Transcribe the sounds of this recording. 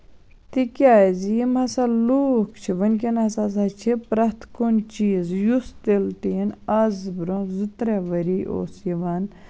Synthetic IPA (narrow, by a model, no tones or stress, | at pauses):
t̪ikʲaːjzjimhɐsɐluːkʰt͡ʃʰiʋɐnʲk̬ʲinɐsazɐt͡ʃʰipɾɐt̪ʰkont͡ʃiːzjust̪elt̪inɐzbɾozɨt̪ɾeʋɐɾiːʔo̰ːsjiʋan